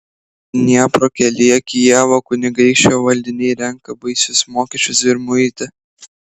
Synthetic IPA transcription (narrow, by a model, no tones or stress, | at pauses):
nʲiɛpɾoːkʲɛlʲɪjɛkʲijæːʋoːkʊnʲɪɡɐɪʃʲt͡ʃʲoːʋɐlʲd̪ʲɪnʲɛɪɾʲɛŋkɐbɐɪsʲʊsmoːkʲɛːt͡ʃʲʊsɪɾmʊɪt̪ʲɪ